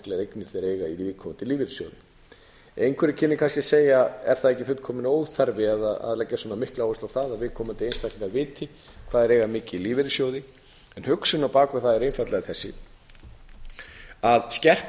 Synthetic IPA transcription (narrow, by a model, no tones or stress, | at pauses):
klɛɾejknɪɾ̥θeɾeːjɣaivɪːðkʰɔmant̪ɪliːvɪɾɪsjo̰wðɪ | ejnkʰvɛɾɪcʰɪnːɪkʰanscɪseːjaɛ̰ɾ̥θaðɛhcːɪfʏt̪kʰɔːmɪnoːwθaɾvɪaðaa̰ðlɛcːasɔnamɪhklaoːʏst̪awθaðaðvɪːðkʰɔːmant̪ɪejnst̪akʰlɪðavɪːt̪ʰɪ | kʰvaːðɛɾejɣamɪːcɪiliːvɪɾɪsjowðɪ | ɛnhʏksʏnawpaːkʏθaðɛɾejnfat̪lɛɣaθɛsːɪ | aðscɛr̥p